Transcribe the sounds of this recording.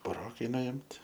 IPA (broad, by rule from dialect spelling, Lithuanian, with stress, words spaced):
bʊˈroːkɐɪ nʊɪmʲtʲ